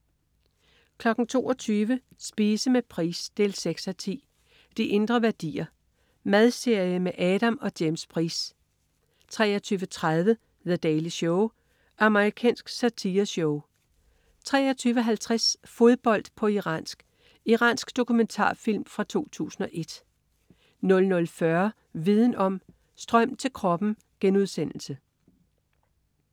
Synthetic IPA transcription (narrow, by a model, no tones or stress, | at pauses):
kʰlɒ̽ɡ̥n̩t͡sʰo̝ːɒt͡sʰyːʋə | sb̥iːsəmepʰʁḭːsd̥e̝lseɡ̥sæt͡sʰḭː | d̥iʔe̝nd̥ʁɐʋæɐd̥ḭːɐ | mæð̞ˠse̝ɐ̰jəmeʔɛːɾ̥æmɒ̽d̥jemspʰʁḭːs | t͡sʰʁɛ̰ːɒt͡sʰyːʋət͡sʰʁað̞ˠʋə | ðæd̥ɛːliɕɔʊ | ʔɑ̈məʁikʰɛ̰ːnsɡ̥sæt͡sʰiːɐsɔʊ | t͡sʰʁɛ̰ːɒt͡sʰyːʋəɦælt͡sʰʁasfo̝ðˠb̥ɒ̽l̰d̥pʰɒ̽iʁɑ̰̈nsɡ̥ | iʁɑ̰̈ːnsɡ̥d̥o̝kument͡sʰɑ̰̈ːfil̰mfʁɑ̈t͡sʰo̝̰ːt͡sʰṵːsn̩ɒ̽ʔe̝d̥ | nɔ̽lnɔ̽lfɶɐ | ʋið̞ˠn̩ɒ̽m̰ | sd̥ʁɶm̰t͡sʰe̝lkʰʁɒ̽b̥n̩ | ɡ̥enuðˠsen̰l̩sə